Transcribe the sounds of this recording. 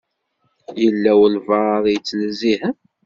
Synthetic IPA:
jəlːæwəlvɑɾˤðijt͡sːlzihə

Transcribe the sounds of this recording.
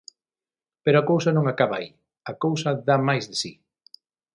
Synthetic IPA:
peɾoakowsɐnõŋakaβɐai | ɐkowsɐðamajzðesi

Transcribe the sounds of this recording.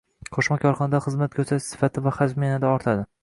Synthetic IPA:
qʰoʃmakʲʰɒɾχɒnɪd̪aχɨzmat̪̚kʰʲɵsʰaʃsɪ̥fat̪ʰɪvaχad͡ʒmijanɪd̪aɒɾt̪ʰad̪ɪ

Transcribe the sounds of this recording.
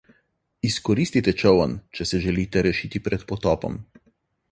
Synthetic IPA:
iskɔɾist̪it̪ɛt͡ʃɔwɐnt͡ʃɛsɛʒɛliːt̪ɛɾɛʃiːt̪ipɾɛt̪pɔt̪ɔːpɔ̰m

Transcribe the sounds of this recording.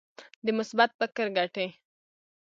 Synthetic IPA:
d̪əmʊsbat̪̚pəkəɾɡaʈe

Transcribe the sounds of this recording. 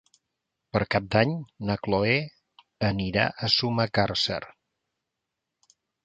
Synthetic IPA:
pəɾkap̚d̪aɲnəkloe | əniɾa̰ʔəsuməkaɾsə̰ɾ

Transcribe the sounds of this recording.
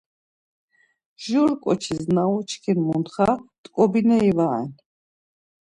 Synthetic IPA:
ʒuɾkʼɔt͡ʃʰiznaɔt͡ʃʰkʰinmunt̪χat̪ʼkʼɔbinɛivaɛ̰n

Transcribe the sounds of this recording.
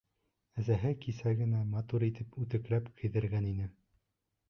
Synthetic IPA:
æzæɦɘkisæɡɘ̆næmɑt̪uɾit̪ɘpʉt̪ɘ̆klæpkʰɘ̆jðɘ̆ɾɡæninɘ

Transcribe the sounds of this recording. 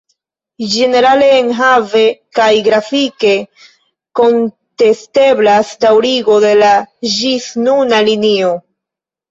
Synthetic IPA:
d͡ʒe̞ne̞ɾale̞ːnɦave̞kajɡɾafike̞ | ko̞n | te̞ste̞blasdawɾiɡo̞de̞laʒisnunalinio̞

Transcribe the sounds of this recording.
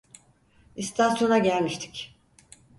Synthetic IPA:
ist̪ʰasjo̞naɟælʲmiʃt̪ʰi̥c

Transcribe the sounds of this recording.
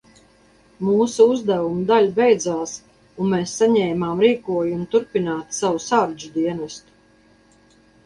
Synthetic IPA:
muːsuuzd̪ævumud̪alʲbejd̪zaːs | unmeːsːaɲɛːmaːmɾiːkuɔjumut̪uɾpinaːt̪savusaɾd͡ʒud̪iɛnɛst̪u̥

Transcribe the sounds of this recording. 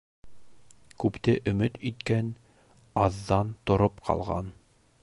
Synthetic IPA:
kʉpt̪ɘʔɵ̆mɘt̪it̪kæn | ɑðːɑnt̪ŏɾopqʰɑ̰lˠʁɑ̰n

